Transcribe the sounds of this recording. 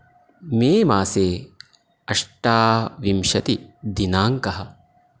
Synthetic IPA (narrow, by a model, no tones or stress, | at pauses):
meːmaːseː | ɐʂʈaːʋimʃɐt̪id̪inaːŋkɐɦɐ̆